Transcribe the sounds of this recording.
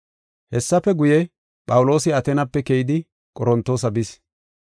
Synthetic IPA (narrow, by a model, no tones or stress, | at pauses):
hɛsːɐfɛɡʊjɛ | pʼɐwʊlo̞ːsɪɐt̪ɛnɐpːɛkɛjɪd̪ɪ | kʼɔɾɔnt̪ːoːs̬ɐbɪs